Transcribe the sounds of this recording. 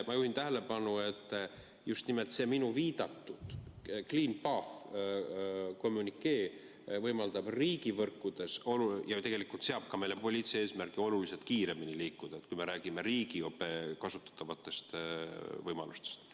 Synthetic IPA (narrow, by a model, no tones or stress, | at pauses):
mɑjuhint̪æɦele̞pɑnue̞t̪ː | just̪nimelt̪se̞minuviːd̪̥ɑt̪ːud̪̥kliːnpɑf | ko̞mːunikːe̞ː | vɤjmɑld̪ɑb̥riːɡivɤrkːud̪̥e̞solujɑt̪e̞ɡ̥e̞likːˑult̪se̞ɑb̥kɑme̞jlepo̞lʲit̪sieːsmærɡio̞lulise̞lt̪̚kiːɾe̞miniliːkːˑud̪̥ɑet̪ːkujme̞ɾæːɡ̥ime̞ɾiːɡ̥io̞pːe̞kɑsut̪ːˑɑ̥t̪ˑːɑvɑt̪ːˑe̞st̪vɤjmɑ̰lust̪e̥st̪